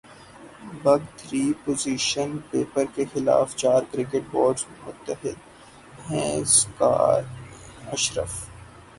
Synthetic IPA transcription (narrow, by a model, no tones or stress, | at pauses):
bɐɡt̪ɾiːpoːziːʃənpeːpəɾkexɪla̰ːft͡ʃaːɾkɾɪkeʈ̚boːɖzmʊt̪əɦɪd̪̚ | ɦɛ̃ska̰ːɾɐʃɾə̰f